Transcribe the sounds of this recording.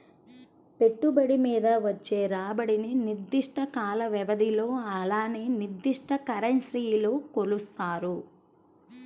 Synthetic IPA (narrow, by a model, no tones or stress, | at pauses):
pe̞ʈːubɐɽimiːd̪ɐʋɐt͡ʃːeːɾaːbɐɽininiɾd̪ːiʂʈɐkaːlɐʋɛʋɐd̪ilo̞ːɐlaːneːniɾd̪ːiʂʈɐkɐɾɐnsɾiːjloːkolust̪aːɾu